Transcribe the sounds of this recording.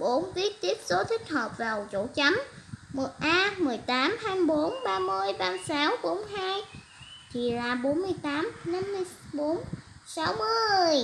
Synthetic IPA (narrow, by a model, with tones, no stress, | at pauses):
ɓo˨˦nvi˦˥ət̚t̪i˦˥əp̚so˨˦t̪ʰï˦˥k̟̚həː˨˩p̚vaː˨˩wt͡ɕo̰˧˩˥t͡ɕa˨˦mmo˨˩t̚ʔaː˧mɨ˨˩əjt̪aː˨˦mhaː˧jm˧jɓo˨˦nɓaː˧mɨ˧əjɓaː˧msaː˨˦wɓo˨˦nɦaː˧j | t̪ʰi˨˩laː˨˩ɓo˨˦nmɨ˧əjt̪aː˨˦mna˧mːɨ˧əjɓo˨˦nsa˨˦wmɨ˨˧˩əj